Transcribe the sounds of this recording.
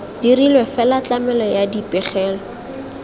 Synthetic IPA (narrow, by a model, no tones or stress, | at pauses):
d̥irilwɛfɛlat͡ɬamɛlɔjadipʼɛχɛːlɔ